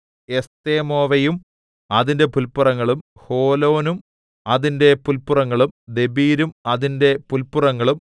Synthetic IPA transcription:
e̞st̪eːmo̞ːʋɐjum | ɐðindepulpurɐŋːɐɭum | ho̞ːlo̞ːnum | ɐðinde̞pulpurɐŋːɐɭumd̪e̞biːɾumɐðinde̞pulpurɐŋːɐɭum

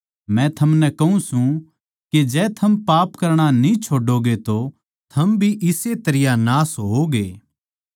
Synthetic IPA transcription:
mɛ̃t̪ʰɐmnɛkɐũsũ | ked͡ʒɛːt̪ʰɐmpaːpkɐɾɽ̃anĩt͡ʃʰoːɖoɡet̪o | t̪ʰɐmbʱiʔɪset̪ɐɾɪjanaːsɦoɡeː

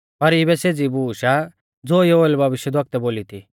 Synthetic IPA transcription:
pɐɾɪbɛseːd͡zibuːʃa | d͡zoːjooːlbʱɐʋɪʃjəd̪ʋɐk̚t̪ɛboːlit̪ʰi

